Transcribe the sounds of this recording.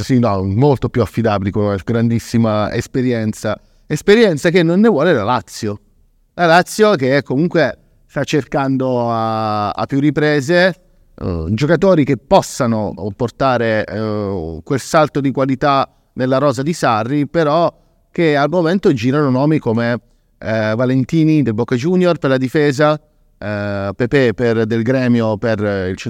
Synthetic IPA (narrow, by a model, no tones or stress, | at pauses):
sinɔmolt̪opjuafːid̪aːbilikonaɡɾand̪isːimaḛspeɾjɛnt̪sa | espeɾjɛnt̪sakenːonːevwɔːlelalat̪sːjo | lalat̪sːjokeɛkːomuŋkwe | st̪at͡ʃːerkand̪oaa̰pːjurːipɾɛːze | d͡ʒokat̪oːɾik̟epːɔsːanoport̪aːɾe | kwelsalt̪od̪ikwalit̪a | nelːaɾɔːzad̪isarːipeɾɔ | k̟ealmoment̪od͡ʒiːɾanonɔːmikome | valent̪iːnid̪elbɔkːd͡ʒunjorperlad̪ifeːza | pɛpɛperd̪elɡɾɛːmjoperilt͡ʃe